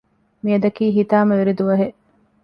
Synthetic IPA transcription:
miɐd̪ɐkiːɦit̪aːmɐʋeɾid̪uʋɐɦeʔ

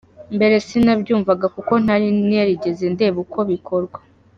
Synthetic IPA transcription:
mbe̞ɾe̞sinabɟuːɱvaɡakuko̞n̥haɾinijaɾiɟe̞ze̞nde̞ːβuko̞βikʰo̞ɾɡwa

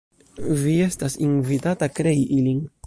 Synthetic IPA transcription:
vie̞stasinvitatakɾe̞iʔilin

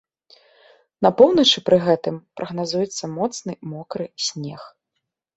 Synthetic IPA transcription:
nɐpɔwnɐt͡ʂɨpɾɨɣɛt̪ɨmpɾʔɐɣnazujɛt̪sːɐmɔt̪snɨmɔkɾɨsʲnʲeɛx

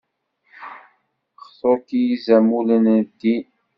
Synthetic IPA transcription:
χsˤokijizæmulənd̪ːi

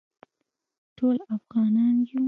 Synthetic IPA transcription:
ʈʰolafɣɑnɑnju

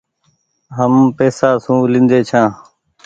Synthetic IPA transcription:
ɦəmpeːsaːsũːlɪ̃nd̪eːt͡ʃʰãː

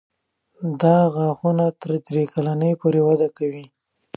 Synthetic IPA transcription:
d̪ɑɣaɣunat̪əɾd̪ɾekalanəjpoɾewad̪akawi

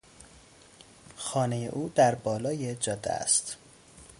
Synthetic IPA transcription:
xɒːnejḛʔuːd̪æɾbɒːlɒːjed͡ʒɒd̪ːæ̰æ̰st̪

